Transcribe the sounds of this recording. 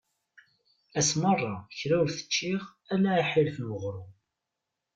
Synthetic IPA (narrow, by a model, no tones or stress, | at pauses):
æsmərˤːɑçɾæwɾθə̥t͡ʃːiʁælːæħilfnwəʁɾu